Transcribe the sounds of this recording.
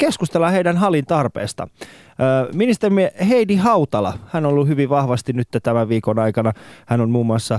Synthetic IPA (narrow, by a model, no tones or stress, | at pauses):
keskust̪elːɑheidænɦɑlint̪ɑrpḛːst̪ɑ̰ː | minist̪erimieheidihɑut̪ɑlɑ̰hænolːuhyʋiʋʋɑhʋɑst̪innyt̪ːæt̪æmæʋʋiːkonɑikɑnɑhænonmuːmːuɑsːɑ